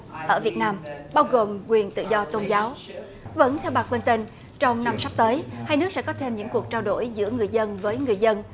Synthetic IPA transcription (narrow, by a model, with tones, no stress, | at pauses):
ʔəː˧˩vi˨˩ət̚naː˧mɓaː˧wɣo˨˩mkwi˨˩ənt̪ɨ̰˧˨zɔ˧t̪o˧nzaː˨˦w | və̰˧˥nt̪ʰɛ˧wɓaː˨˩k̚lə˧nt̪ə˧n | t͡ɕɔ˧wŋ͡mna˧msa˦˥k͡p̚t̪əː˨˦jhaː˧jnɨ˦˥k̚sɛ̰˧˥kɔ˨˦t̪ʰe˧mɲɨ̰˧˥ŋku˨˩ək̚t͡ɕaː˧wɗo̰˧˩jzɨ̰˧˥əŋɨ˨˩əjzə˧nvəː˨˦jŋɨ˨˩əjzə˧n